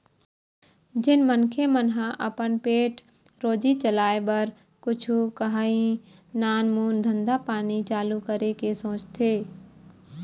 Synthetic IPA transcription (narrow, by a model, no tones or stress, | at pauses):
d͡ʒɪnmənkʰemənɦãʔəpənpeːʈ | ɾoːd͡ʒit͡ʃəlaːebəɾ | kʊt͡ʃʰukəɦaːĩnaːnmuːnd̪ʱə̃nd̪apaːnit͡ʃaːlukəɾekesõːt͡ʃt̪ʰeː